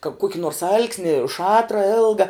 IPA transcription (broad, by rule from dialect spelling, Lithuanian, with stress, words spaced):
kɐ ˈkuɔkʲɪ noːrs ˈɐlʲksʲnʲɪ ˈʃɑːtrɐ ˈɪlˠɡɐ